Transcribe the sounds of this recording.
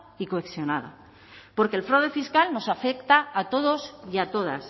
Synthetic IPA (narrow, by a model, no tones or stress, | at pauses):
ikoeksjo̞naða̰ | po̞ɾkelfɾawðe̞fiskalno̞safe̞kt̪aːt̪o̞ð̞o̞siat̪o̞ð̞a̰s